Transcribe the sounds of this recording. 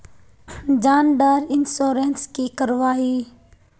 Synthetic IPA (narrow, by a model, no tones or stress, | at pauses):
d͡ʒaːnɖəɾɪnsoːɾeːnskiːkəɾʋaːɦiː